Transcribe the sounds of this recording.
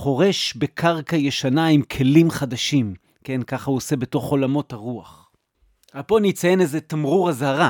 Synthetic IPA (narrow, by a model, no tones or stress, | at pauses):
χo̞ʁe̞ʃbe̞kʰaʁkaje̞ʃanaimkʰe̞limχadaʃim | ke̞nkaχahuose̞be̞to̞χo̞lamo̞thaʁuaχ | alpo̞nit͡saje̞nezetamʁuʁazhaʁa